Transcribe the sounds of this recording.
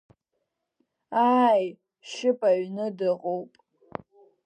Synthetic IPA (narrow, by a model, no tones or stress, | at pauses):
aj | ʃɪpʼaɥnɨdɨqʼowpʼ